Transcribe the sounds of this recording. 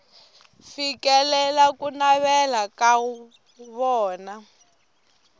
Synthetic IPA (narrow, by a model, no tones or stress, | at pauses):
fikɛlɛlakunaβɛlakau | βɔːna